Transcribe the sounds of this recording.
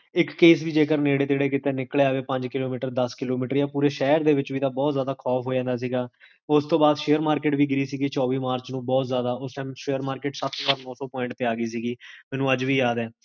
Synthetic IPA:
ɪkːeːsʋiːd͡ʒeːkəɾneːɽeːt̪eːɽeːkɪt̪eːnɪkleːaːʋeːpə̃ɲd͡ʒkɪloːmiːʈəɾd̪əskɪloːmiːʈəɾjaːpuːɾeːʃɛːəɾd̪eːʋɪt͡ʃʋiːd̪aːbɔːt̪zaːd̪aːkʰɔːpʰɦoːd͡ʒãːnd̪aːs̬iːɡaː | ʊst̪õːbaːd̪ʃeːəɾmaːɾkeːʈʋiːɡɪɾiːsiːɡiːt͡ʃɔːʋiːmaːɾt͡ʃnũːbɔːt̪zjaːd̪aːʊsɛ̃ːmʃeːəɾmaːɾkeːʈsat̪ːʋaːɾnɔːsɔːpɔːɪɳʈt̪eːaːɡəiːs̬iːɡiːmɛːnũːəd͡ʒʋiːjaːd̪ɛː

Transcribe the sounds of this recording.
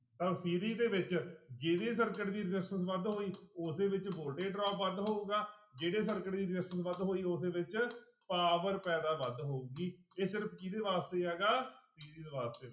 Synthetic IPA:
t̪əbsiːɾiːd̪eːʋɪt͡ʃd͡ʒeːɽeːsəɾkəʈd̪iːɾɪd͡ʒɪsənsʋəd̪ɦoːiːʊseːʋɪt͡ʃboːɾɖeːɖɾɔːpʋəd̪ɦoːɡaːd͡ʒeːɽeːsəɾkəʈd̪iːɾɪd͡ʒɪsənsʋəd̪ɦoːiːʊs̬eːʋɪt͡ʃ | paːʋəɾpɛːd̪aːʋəd̪ɦoːuːɡiːeːsɪɾəpʰkid̪eːʋaːst̪eːɦɛːɡaːsiːɾiːd̪eːʋaːst̪eː

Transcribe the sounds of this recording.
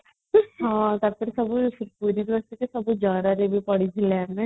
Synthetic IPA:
ɦãːt̪ɐpʰɪɾsɐbpuːɾid̪ʋəst̪ikesɐbd͡ʒjaːd̪aɾeːbipɐɽid͡ʒʰilɛːnɛ̃

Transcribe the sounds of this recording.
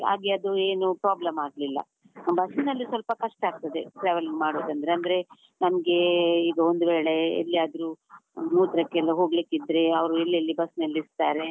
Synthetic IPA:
a̰ːɡiɐd̪ueːnupɾaːblɐmaːɡlilːɐ̰ | bɐsnɐlːisʋɐlpɐkɐʂʈaːɡ̚t̪ɐd̪e̞ʈɾeːʋɐliŋɡmaːɽoːd̪ɐnd̪ɐɾeɐnd̪ɐɾe̞ | nɐmɐɡe̞iːɡɐond̪uʋeːɭe̞ḛlːijaːd̪ɐɾumuːt̪ɾɐkːelːɐɦoːɡlikid̪ɾe̞ɐʋɾuelːiɐlːibɐsnɐlːist̪aːɾe̞

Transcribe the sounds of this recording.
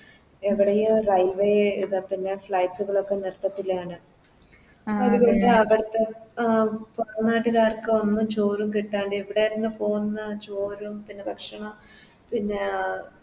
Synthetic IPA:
eʋiɽejumrɐjʋeiðɨpinːe̞fɭɐjʈsuɣɐɭo̞kːe̞nirt̪ːɐt̪ːilaːɳɨ | ɐðuɣo̞ɳɖɨɐʋiɽɐt̪ːe | pɐrɐnːaːʈːɨɣaːrkːɨɐnːumt͡ɕo̞ːɾumkiʈːaːɳɖɨiʋiɽeiɾunːɨpo̞ːɣunːɐt͡ɕoːɾumpinːe̞pɐkʂɐɳɐm | pinːe̞

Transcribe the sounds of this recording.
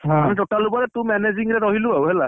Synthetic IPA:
ɦamitɔtalubɔɹɛt̪ʊmɛneziŋɹɛɾɔɦilʊawɦɛla

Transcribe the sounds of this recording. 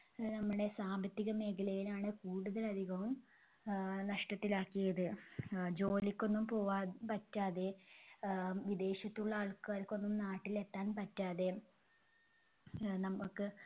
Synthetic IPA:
nɐmːuɽe̞saːmbʱɐt̪ːiɣɐme̞ːkɐlɐjilaːɳɨkuːɽuðɐlɐd̪ʱiɣɐʋum | nɐʂʈɐt̪ːilaːkːijɐðɨd͡ʑo̞ːlikʲːo̞nːumpo̞ːʋaːpɐtːaːðe̞ | ʋid̪e̞ːɕɐt̪ːuɭːɐɐːɭkaːɾkʲːo̞nːumnaːʈːile̞t̪ːaːnpɐtːaːðe̞ | nɐmːukːɨ

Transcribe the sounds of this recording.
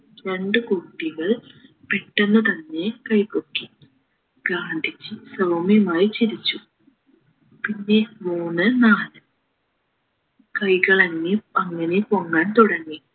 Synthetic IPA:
ɾe̞ɳɖɨkuʈːiɣɐɭ | peʈːenːɐt̪ɐnːe̞kɐjkokːi | ɡaːɳd̪ʱit͡ɕːɨsɐʋɐmjɐmaːjit͡ɕiɾit͡ɕːu | pinːe̞muːnːɨnaːlɨ | kɐjɣɐɭɐŋːiɐŋːɐnepoŋːaːnt̪uɽɐŋːi

